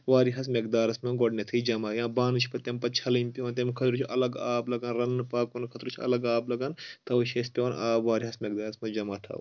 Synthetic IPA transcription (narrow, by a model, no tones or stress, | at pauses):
ʋaːɾiɦɐsmek̚d̪aːɾɐsmʲonɡoɖnet̪ʰɨid͡ʒɐmaːjãːbaːnɨt͡ʃʰpɐt̪empɐt̪̚t͡ʃʰɐlɐmpʲːnt̪ʲemkʰɐt̪ɾut͡ʃʰiʔɐlɐɡaːblɐɡɐnɾɐnːɨpaːkunkʰɐt̪ɾut͡ʃʰiɐ̰lɐɡaːblɐɡɐnt̪ɐʋɐʃespʲoːnaːbʋaːɾiɦɐsmek̚d̪aːɾɐsmɐd͡ʒɐmaːt̪ʰɐ̰w